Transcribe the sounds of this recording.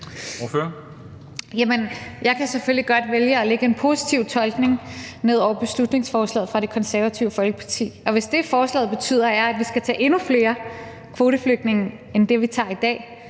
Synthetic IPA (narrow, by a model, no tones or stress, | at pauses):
føɐ | jæmənjɑ̈ɪkʰæsefølliɡ̥ɒ̽d̥ʋeljəɒ̽leɡ̥əenpʰo̝si̥t͡sʰiʊt͡sʰɒ̽lɡ̥ne̝ŋne̝ð̞̰ˠɒʊɐb̥e̝slud̥ne̝ŋsfɒːslɛ̰ːð̩ˠfʁɑ̈ɾe̝kʰɒ̽nsæɐʋæt͡sʰiʊəfɒ̽lɡ̥ə̥pʰɑ̈t͡sʰḭːɒ̽ʋe̝sd̥e̝fɒːslɛ̰ːðˠb̥e̝t͡sʰy̰ːð̰ˠɐæɐæd̥ʋisɡ̥æt͡sʰɛ̰ːʔe̝nufle̝ːɐ | kʰʋo̝ːɾəfløɡ̥̚ne̝ŋ̩ | end̥e̝ʋit͡sʰɑ̰̈id̥ɛ̰ː